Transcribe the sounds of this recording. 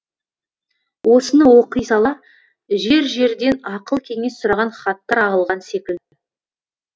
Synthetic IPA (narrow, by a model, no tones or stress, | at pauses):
wʔo̞sənəwo̞qəjsɑlˠɑ | ʒe̞ɾʒe̞ɾd̪e̞nɑqəlˠkʲʰe̞ŋe̞ssʊɾɑʁɑnχɑt̪ːɑɾɑlˠʁɑnse̞kʲɪlʲɪ